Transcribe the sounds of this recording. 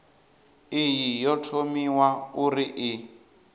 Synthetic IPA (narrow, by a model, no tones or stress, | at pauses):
ijijɔtʰomiwauɾiʔi